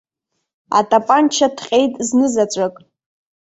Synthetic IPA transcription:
a̰tʼapʼant͡ʃʰadʰqʲʼe̞jtʼznɨzat͡ʃʷʼakʼ

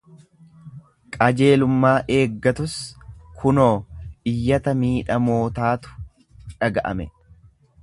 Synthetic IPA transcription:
kʼɐd͡ʒe̞ːlʊmːaːʔe̞ːɡːɐt̪ʊskʰʊnoːɪjːɐt̪ɐmiːᶑɐmo̞ːt̪aːt̪ʊ̥ | ᶑɐɡɐʔɐ̰mɛ

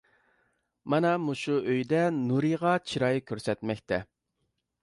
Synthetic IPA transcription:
mɑnɑmuʃuʔøjd̪ɛnuɾɨʁɑt͡ʃʰiɾɑjikʲʰøɾsɛt̪mɛkʲt̪ʰɛ

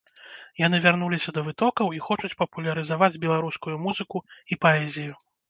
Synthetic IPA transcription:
jan̪ɨvʲarnulʲisʲɐd̪ɐvɨt̪ɔkɐwixɔt͡ʂut͡sʲpɐpulʲɐɾɨzavad͡zʲbʲɛlˠaɾuskujumuzɨkuipaɛzʲiju

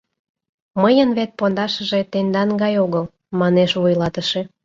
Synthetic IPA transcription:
məjənβet̪̚pond̪ɑʃəʒet̪end̪ɑnɡɑjoɣəl | mɑneʃβujlɑt̪əʃe

